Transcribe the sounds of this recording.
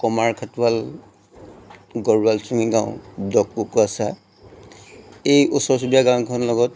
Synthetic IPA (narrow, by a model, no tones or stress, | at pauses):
kɔmaɹkʰatwal | ɡɔɹwalsuŋiɡãʊ̰̃dɔkːukasa | ejʔɔsɔɹs̬ubijaɡaw̃kʰɔnlɔɡɔt